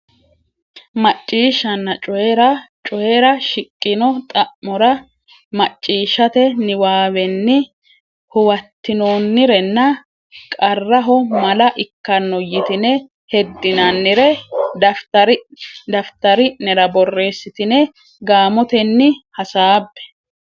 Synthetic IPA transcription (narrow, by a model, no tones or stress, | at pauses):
mɐt͡ʃʼːiːʃɐnːɐt͡ʃʼɔɛɾɐt͡ʃʼɔheɾɐʃɪkʼːɪnɔt̪ʼɐʔmɔɾɐ | mɐt͡ʃʼːiːʃɐt̪ɛnɪwaːwɛnːɪ | hʊwɐt̪ːɪnoːnːɪɾɛnːɐ | kʼɐrːɐɦɔmɐlɐʔɪkːɐnːɔjɪt̪ɪnɛ | hɛd̪ːɪnɐnːɪɾɛd̪ɐft̪ɐɾɪd̪ɐft̪ɐɾɪnɛɾɐbɔrːe̞ːsːɪt̪ɪnɛ | ɡaːmɔt̪ɛnːɪhɐsaːbːɛ̥